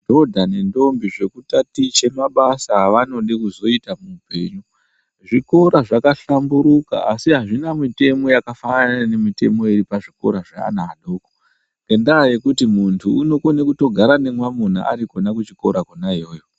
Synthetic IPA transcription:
do̞dʱanendo̞mbiʐe̞kutatit͡ʃe̞maɓasaʋano̞ɗikuzo̞itamuːpe̞̰ːɲu | ʐiko̞ɾaʐakaɬambuɾuka̰asiɦaʐinamite̞mo̞jakafananane̞mite̞̰mo̞eɾipaʐiko̞̰ɾaʐaa̰naːɗoko̥ | ŋɡendaje̞kutimuntʰuːno̞konekuto̞ɡʱaɾane̞mwamun̤a̰ʔa̰ɾikonakut͡ʃiko̞̰ɾakonajoːjo

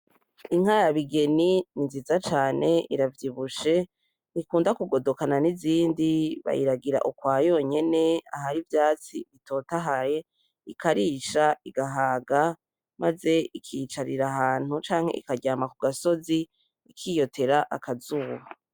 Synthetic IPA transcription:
iŋ̥haɾaβiɡe̞nininziːzat͡ʃaːne̞iɾavjiβuʃe̞ | nikuːndakuɡo̞dokananiziːndiβa̰jḭɾaɡiɾa̰ʔukwaːjo̞ːɲe̞ne̞aɦaɾivjaːt͡sḭβito̞ːtaɦaje̞ | ikaɾiːʃaiɡaɦaːɡa | maze̞ikʰiːt͡ʃaɾiɾaɦaːn̥hut͡ʃaːŋ̥he̞ʔḭkaɟaːmakuɡaso̞zi | ikʰiːjo̞tʰe̞ɾaʔakazuːβa

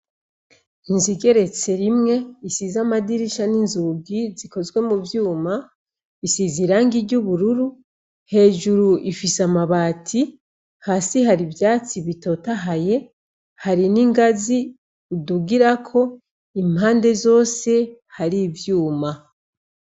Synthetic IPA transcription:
inziɡe̞ɾe̞t͡se̞ɾimŋe̞isizamadiɾiʃaninzuɡiziko̞zɡwe̞muvjuːma | isiziɾaːŋɡiɾɟuβuɾuɾu | he̞ːʒuɾuʔifisamaβaːtʰi | haːsiɦaɾibjaːt͡siβito̞taɦaje̞ | haɾiniŋɡazi | uduɡiɾakʰo̞ | imhaːnde̞zo̞ːse̞haɾivjuːma

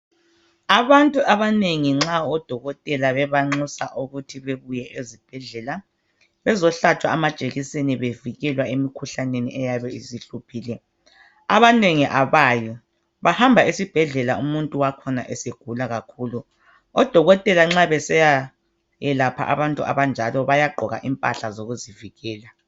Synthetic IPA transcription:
aβantʼuʔaβaneŋiŋ͡ǁaɔd̥ʱɔɣɔtʼɛlaβɛβaŋ͡ǀusa̰ʔuɣutʰiβeβujɛʔezib̥ʱɛɮɛla | βɛzɔɬat͡ʃʼwaamad̥t͡ʃʼeɣiseniβeviɣɛlwaemikʰuɬanenḭʔɛjaβɛiziɬupʰiːlɛ | aβaneŋiʔaβaːjɔ | βahambʱaisib̥ʱɛɮɛlaumuntʼuwakʰɔna̰ʔeseɡ̥ʱulaɣakʰuːlu | ɔd̥ʱɔɣɔtʼɛlaŋ͡ǁaβɛsɛja | jɛlapʰa̰ʔa̰βantʼuʔa̰βand͡ʒʱalɔβajaɡ͡ǃʱɔɣa̰ʔimpʼa̰ɬazoɣuziviɣɛːla

